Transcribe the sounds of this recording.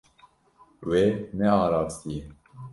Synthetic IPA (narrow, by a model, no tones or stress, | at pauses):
wenɛɑːɾɑːsijɛ